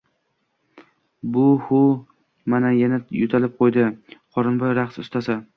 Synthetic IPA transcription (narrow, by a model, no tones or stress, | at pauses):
bʊhʊ | manajanajʊt̪ʰalɪp̚qʰojd̪ɪqʰɒɾɨnbɒjɾaχsʊst̪ʰasa